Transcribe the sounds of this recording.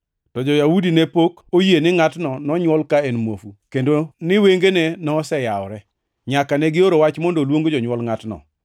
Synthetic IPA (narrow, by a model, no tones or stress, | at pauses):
tɔd͡ʒɔjaudinɛpokojenɪŋatnɔnɔɲwɔlkaɛnmwofukendonɪweŋɡenɛnɔsɛjaɔ̰ɾɛ | ɲakanɛɡɪoɾowat͡ʃmɔndolwoŋɡod͡ʒɔɲwɔlŋatnɔ̰